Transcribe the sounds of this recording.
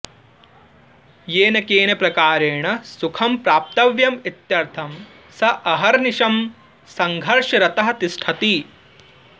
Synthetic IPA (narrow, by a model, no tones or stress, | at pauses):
jeːnɐkeːnɐpɾɐkaːɾeːɳɐsukʰɐmpɾaːp̚t̪ɐʋjɐmit̪jɐɾt̪ʰɐm | sɐʔɐɦɐɾniʃɐm | sɐŋɡʱɐɾʂɐɾɐt̪ɐɦɐt̪isʈʰɐt̪i